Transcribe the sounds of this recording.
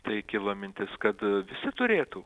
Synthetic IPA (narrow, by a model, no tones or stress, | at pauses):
t̪ɐɪkʲɪlˠɐmʲɪnʲt̪ʲɪskɐt̪ʋʲɪsʲɪt̪ʊɾʲeːt̪u